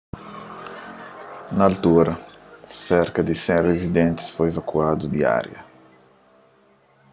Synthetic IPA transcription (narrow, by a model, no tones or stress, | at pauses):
nɐːlt̪uɾɐsɛɾkɐd̪isẽŋrezid̪ẽnt̪ɪ̥sfojevakuad̪ud̪ia̰ɾjɐ